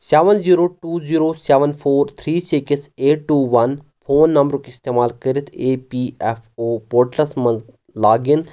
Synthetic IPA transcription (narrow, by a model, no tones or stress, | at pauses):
sɛːʋənziːɾoʈuːziːɾosɛːʋənpʰoːɾt̪ʰɾiːseːkiseːʈːuːʋɐn | pʰoːnːɐmbɾokiɪst̪eːmaːlkəɾit̪ʰeːpiːɛfʰoːpoːɾʈlɐsmɐ̃nz | laːɡɪn